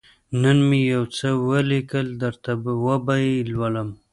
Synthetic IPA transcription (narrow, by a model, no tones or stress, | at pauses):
nənmejawt͡səwəlikəld̪əɾt̪awəbajilwaləm